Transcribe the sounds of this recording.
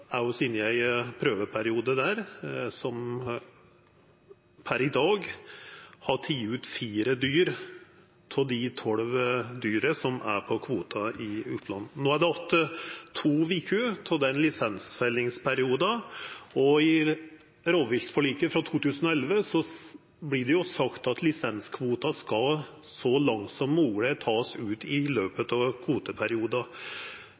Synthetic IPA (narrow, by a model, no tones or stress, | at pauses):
æʊsɪnjæɪpʰɾøːʋəpʰæɾɪuːd̪əd̪æːɾsɔm | pʰæɾɪd̪ɑːɡ | hɑʈʰiːʉːt̪fiːɾəd̪yːɾ | t̪ʰɪld̪ɪt̪ʰɔɽʋd̪yːɾəsɔmʔæ̰ɾpʰɔkʰʋuːt̪ʰɑɪʉp̪ʰlɑnːnoːæɖ̪ɛɔt̪ʰːət̪ʰuːʋiːkʰʉt̪ʰɔd̪ɛnlɪsɛnsfɛlːɪŋspʰæɾɪuːd̪ɑɔɪ | ɾoːʋɪçsfɔɭiːkəfɾɑt̪ʰuːt̪ʉːsənɔɛlʋəsɔ | blɪɖ̪ɛjʊsɑkt̪ɑt̪ʰlɪsɛnskʰʋuːt̪ɑskɑlsɔlɑŋt̪sɔmːuːɡlət̪ʰɑːsʉːt̪ɪløːpət̪ɑʋkʰʋuːt̪əpʰæɾɪuːd̪ɑ